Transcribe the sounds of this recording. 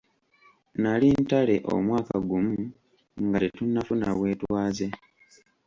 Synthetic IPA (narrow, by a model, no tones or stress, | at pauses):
nalintale̞ʔo̰mwaːka̰ɡumu | ŋɡatetunːafunaβwe̞ːtwaːze̞